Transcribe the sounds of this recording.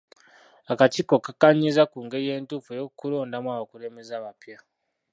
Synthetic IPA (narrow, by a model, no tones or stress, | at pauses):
akatikokakaɲːizakuːŋɡeje̞ːntufejokulo̞ːndamwaβakuɾe̞me̞zaβapja